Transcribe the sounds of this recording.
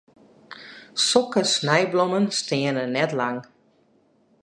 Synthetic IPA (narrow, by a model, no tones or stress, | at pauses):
sɔkəsnɛjblomənstɪənənɛtlaŋ